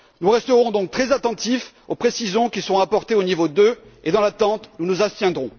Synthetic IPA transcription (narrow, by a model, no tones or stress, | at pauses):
nuʁɛst̪əʁɔ̃d̪ɔ̃k̚t̪χɛzat̪ɑ̃t̪if | opχesizjɔ̃kʲisəʁɔ̃apɔʁt̪eonivod̪øed̪ɑ̃lat̪ɑ̃t̪nunuzast̪jɛ̃d̪ʁɔ̃